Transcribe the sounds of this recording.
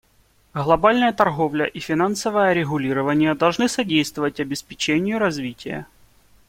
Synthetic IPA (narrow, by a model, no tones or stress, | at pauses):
ɣlˠɐbalʲnəjət̪ɐrɣovlʲəʔifʲɪnansəvəjəɾʲɪɣʊlʲiɾəvənʲɪjəd̪ɐlˠʐnɨsɐdʲejst̪vəvətʲɐbʲɪspʲɪt͡ɕenʲɪjʊɾɐzvʲitʲɪjə̰